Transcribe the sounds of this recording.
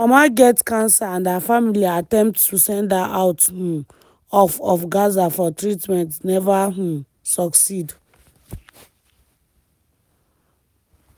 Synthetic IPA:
amaɡɛtkãnsaãndafamiliatɛ̃mp̚ttusɛ̃ndaʔawthũ | ɔfɔfɡazafɔtɹitmɛ̃ntnɛvaɦ̩ | sɔksid

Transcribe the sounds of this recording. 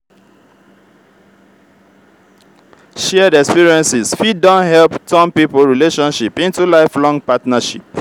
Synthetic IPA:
ʃɛdɛkspiɹiɛ̃nsizfidɔ̃nhɛlptɔ̃npipolɹileʃɔ̃nʃipĩntulaɪflɔ̃ŋpatnaʃḭp

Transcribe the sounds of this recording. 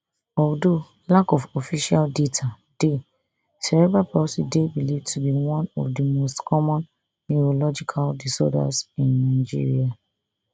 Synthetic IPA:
ɔdo | lakɔfɔfiʃaldetʰa | d̥e | sɛɹɛbapɔsidebilivtʰubiwɔ̃nɔ̰fdimostkʰɔmɔ̃nː | iolɔd͡ʒikʰaldisɔ̰da̰sĩnːaɪd͡ʒḭɹḭa

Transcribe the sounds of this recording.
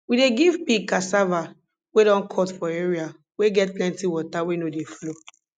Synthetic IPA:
wideɡivpikasava | weɾɔ̃nkʰɔtfɔeɹia | weɡɛt̚plɛ̃ntiwɔtawenodeflo

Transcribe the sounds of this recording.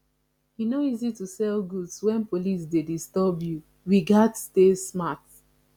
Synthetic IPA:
hinoizitusɛlɡudswɛ̃npolis̬dedistɔbju | ɹiɡadstesmat

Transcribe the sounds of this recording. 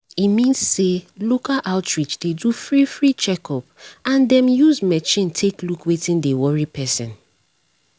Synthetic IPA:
imĩnsselokalʔaʊtɹit͡ʃdedufɹifɹit͡ʃɛkɔpãndɛ̃mjuzmɛt͡ʃĩntʰeklukwetĩndewɔɹipʰɛsɛ̰̃n

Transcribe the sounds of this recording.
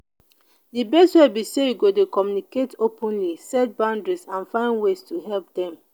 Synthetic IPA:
dibɛswebisewiɡodekɔmjuniketʰopʰɔ̃nlisɛt̚bãʊ̃ndɹisãnfãɪ̃nwestuɦɛlp̚dɛ̃m

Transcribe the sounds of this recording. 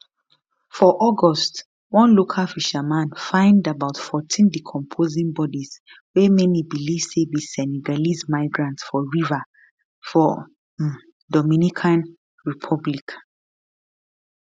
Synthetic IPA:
fɔʔɔɡɔst | wɔ̃nlokʰalfiʃamãnfãɪ̃ndabaʊtfɔtʰĩndikʰɔ̃mpʰozĩŋbɔdiz | wɛmɛnibilifsebisɛniɡalismaɪɡɹãntsfɔɹiva | fɔ | dɔmĩnikʰãn | ɹipʰɔblik

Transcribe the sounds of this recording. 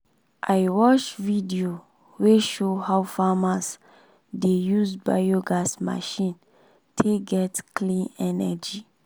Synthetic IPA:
ʔajwɔt͡ʃvidio | weʃohawfamas | dejusba̰joɡasma̰ʃĩn | tʰeɡɛtklĩnɛnɛ̰d͡ʒi

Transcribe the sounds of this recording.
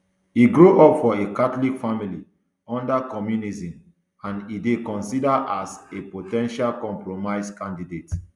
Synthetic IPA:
iɡɹoʔɔpfɔekatolikfamili | ɔ̃ndakɔmjunizĩm | ãnidekɔ̃nsidaʔasepotɛ̃nʃalkɔ̃mpɹomaɪskãndidet

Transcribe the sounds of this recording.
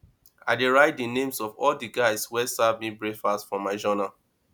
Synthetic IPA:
aɪdeɹaɪt̚dinẽmsɔvɔldiɡaɪswɛsavmibɹekfastfɔ̃maɪd͡ʒɔna

